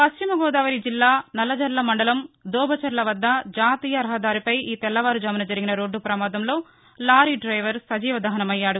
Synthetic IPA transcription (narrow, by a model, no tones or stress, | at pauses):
pɐst͡ʃimɐɡɔːd̪aːʋɐɾid͡ʒilːaːnɐlːɐd͡ʒɐɾlɐmɐɳɖɐlɐmd̪ɔːbʱɐt͡ʃɐɾlɐʋɐd̪ːɐd͡ʒaːt̪iːjɐɾɐɦɐd̪aːɾipɐjiːt̪ɛlːɐʋaːɾud͡ʒaːminɐd͡ʒɐɾiɡinɐɾo̞ːɖːupɾɐmaːd̪ɐmlo̞ː | laːɾiɖɾɐjʋɐɾsɐd͡ʒiːʋɐd̪ɐɦɐnɐmɐjːaːɽu